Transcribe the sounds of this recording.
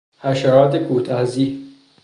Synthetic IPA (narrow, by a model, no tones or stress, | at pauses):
hæʃæɾɒːt̪ʰekuːt̪ʰæziː